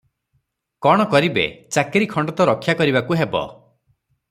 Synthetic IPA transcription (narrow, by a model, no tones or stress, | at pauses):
kɔɽ̃ɔkɔɾibḛt͡ʃakeɾikʰɔɳɖɔt̪ɔɾɔkʰjakɔɾibakuɦebɔ̰